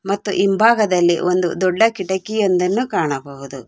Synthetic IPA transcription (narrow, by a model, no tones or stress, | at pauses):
mɐt̪ːṵʔimbʱaːɡɐd̪ɐlːḭʔond̪ṵd̪ɔɖːɐkiʈɐkːijond̪ɐnːukaːɳɐbɐʋud̪u